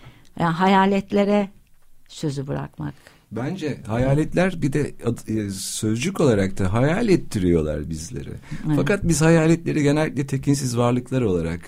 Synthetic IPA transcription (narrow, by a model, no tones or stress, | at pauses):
jaɦajaːlʲɛt̪lʲeɾɛ | sø̞zybɯɾa̰kma̰k | bænd͡ʒɛhajaːlʲɛt̪lʲæɾbid̪ɛasø̞zd͡ʒyko̞lˠaɾak̚t̪ʰaɦajalʲɛt̪ʰːiɾijo̞lˠa̰ɾbizlʲe̞̰ɾɪ̰fakat̪̚bizhajaːlʲɛt̪lʲe̞ɾiɟe̞nɛlʲːic̚ʲlʲɛt̪ʰe̞cʰins̬izvaɾlˠɯklˠaɾo̞lˠaɾa̰k